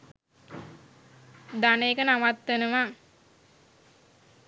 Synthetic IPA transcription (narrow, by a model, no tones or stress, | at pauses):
d̪anejekənaʋat̪ʋenəʋa